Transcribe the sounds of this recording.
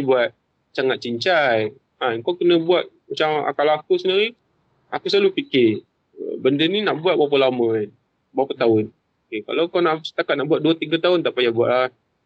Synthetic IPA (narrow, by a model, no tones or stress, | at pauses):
buat̪̚ | saŋat̪̚t͡ʃiɲt͡ʃaj | akawkənəbuat̪̚mat͡ʃaŋa̰kalakusəniɾi | akusalupikɪ̰ | bəndəninaʔbuat̪̚buapəlamən | buapət̪aʊn | okeka̰lakanasə̥t̪akat̪̚naʔbuat̪̚duat̪iɡat̪aʊnt̪aʔpajabua̰ʔlah